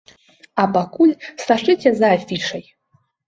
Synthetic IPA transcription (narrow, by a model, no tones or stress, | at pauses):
apakulʲsaʂɨtʲʰɛzaːfʲiʈ͡ʂɐj